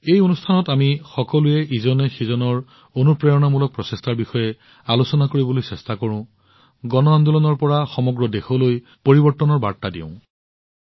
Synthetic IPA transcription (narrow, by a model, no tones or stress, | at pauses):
ejonustʰanɔtamixɔkɔlujɛʔizɔnɛxezɔnɔɹ | onupɹɛjɔnamulɔk̚pɹɔsestaɹbixɔjɛ | alosɔnakoɹibolojsɛstakɔɹʊ̃ | ɡɔnɔand̪ulɔnɔɹpɔɹaxɔmɔɡɹɔdexɔloj | poɹibɔɹtːɔnɔɹba̰ɹtadḭʊ̰̃